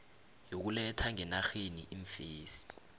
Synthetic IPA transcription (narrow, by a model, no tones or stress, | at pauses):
jok̬ulɛtʰaŋɛnaxenḭʔiɱfeːsi̥